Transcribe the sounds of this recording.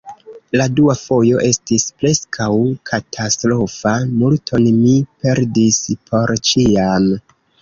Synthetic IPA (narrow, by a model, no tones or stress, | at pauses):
laduafo̞jo̞ʔe̞stispɾe̞skʰawkʰatʰastɾo̞famultʰo̞nmipe̞ɾdispʰo̞ɾt͡ʃiam